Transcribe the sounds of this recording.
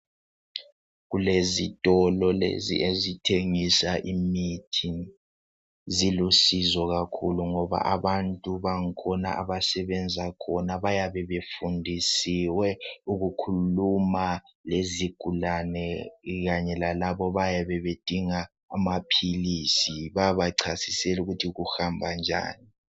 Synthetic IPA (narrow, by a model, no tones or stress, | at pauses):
ɣulezitʼɔlɔlḛzḭʔezitʰeŋisaʔimitʰin | zilusizɔɣakʰuluŋɔβa̰ʔaβantʼuβaŋ̩kʰɔna̰ʔa̰βasɛβɛnd͡zʱakʰɔnaβajaβɛβefundʱisiwɛuɣukʰuluma | leziɡ̥ʱulanɛɣaɲɛlalaβɔβajaβɛβed̥ʱiŋaː | mapʰiliːsiβaβaǀʰasisɛluɣutʰiɣuhambʱand͡ʒʱa̰ːni